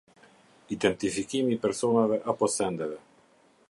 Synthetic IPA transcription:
id̪ɛnt̪ifikimipɛɾsɔnavɛʔapɔsɛnd̪ɛvɛ

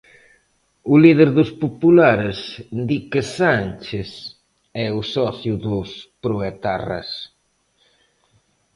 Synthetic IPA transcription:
ʊliðeɾðʊspopulaɾsd̪ikɪsant͡ʃɪs | ɛʊsɔθjʊðʊspɾoet̪a̰ra̰s

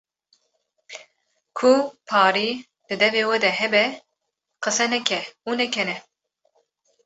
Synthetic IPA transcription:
kʰupʰɑːɾiː | d̪̥ɨd̪ɛveːwɛd̪ɛɦɛbɛ | qɨsɛnɛkʲʰɛunɛkʰɛnɛ

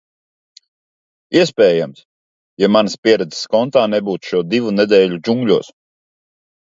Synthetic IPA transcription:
iɛspʲɛːjams | jamanəspʲiɛɾɛd̪zskɔnt̪aːnɛbuːt̪ʃuɔd̪ivunɛd̪ɛːʎʲud͡ʒuŋɡʎʲuɔːs

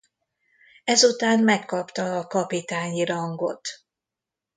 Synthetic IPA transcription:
ɛzut̪aːnmɛkːɒpt̪ɒːkɒpit̪aːɲiɾɒŋɡo̞̰t̪

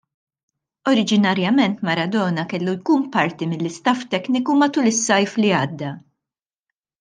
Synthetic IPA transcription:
ɔɾɪd͡ʒɪnɐɾjɐmɛnt̪mɐɾɐd̪ɔːnɐkɛlːujkuːnpɐɾt̪imɪlːɪst̪ɐft̪ɛknɪkumɐt̪ulɪsːɐjfliɐːd̪ːɐ

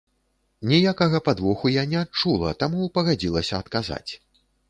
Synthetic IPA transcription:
nʲijakɐɣɐpad̪vɔxujanʲɛat̚t͡ʂulˠɐ̰t̪amupɐɣad͡zʲilˠɐsʲɐɐt̪kaza̰t͡sʲ

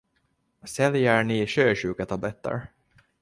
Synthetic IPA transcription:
sɛljəɾnɪɕøːɕʉ̟ːkat̪ʰablɛt̪ːə̰ɾ

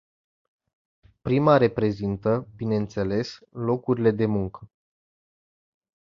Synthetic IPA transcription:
pɾimaɾe̞pɾe̞zint̪əbine̞ɨnt̪se̞le̞slo̞kuɾile̞d̪e̞muŋkə

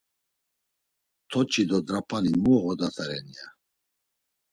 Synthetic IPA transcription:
t̪ʰɔt͡ʃʰid̪ɔd̪ɾapʰanimuːɣɔd̪at̪ʰaɾɛnia

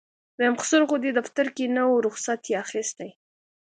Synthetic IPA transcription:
b̪əjamqʊ̥suɾɣod̪ed̪aft̪aɾkenəwɾʊxsat̪jeaxist̪aj

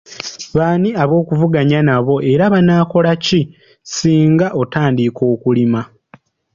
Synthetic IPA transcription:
βaːniaβo̞ːkuvuɡaɲanaβo̞ʔe̞ɾaβanaːko̞laci | siːŋɡaʔo̞taːndiko̞ːkulima

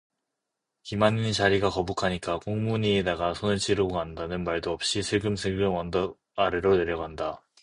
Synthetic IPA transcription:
kimaninit͡ɕaɾiɡakʌbukʰaɲik͈akoŋmuɲiedaɡasʰonɯɭt͡ɕ͈iɾɯandanɯnmaɭdoʌp̚ɕ͈isʰɯɭɡɯmsʰɯɭɡɯmʌndʌ | aɾeɾone̞ɾjʌɡɦanda

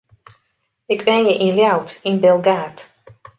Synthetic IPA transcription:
ɪkʰʋɛnjəʔinljawtinbɛlˠɡaːt

